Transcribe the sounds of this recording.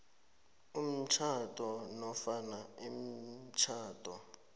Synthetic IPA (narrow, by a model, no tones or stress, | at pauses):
um̩t͡ʃʰatʼɔnɔfanaem̩t͡ʃʰaːtʼɔ